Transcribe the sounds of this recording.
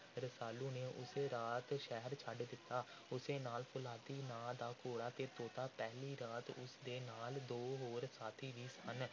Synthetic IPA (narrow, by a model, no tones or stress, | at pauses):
ɾəsaːluːneːʔʊseːɾaːt̪ʃɛɦəɾt͡ʃʰəɖd̪ɪt̪ːaː | ʊseːnaːlpʰʊlaːt̪iːnãːd̪aːkoːɽaːt̪eːt̪oːt̪aːpɛːɦliːɾaːt̪ʊ̰sd̪eːnaːld̪oːɦoːɾsaːt̪ʰiːʋiːsən